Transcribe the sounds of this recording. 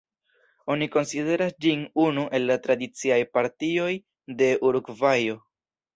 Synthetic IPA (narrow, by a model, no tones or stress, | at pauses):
o̞niko̞nside̞ɾasd͡ʒinunuʔe̞lːatɾadit͡siajpaɾtio̞j | de̞ʔuɾuɡvajo̞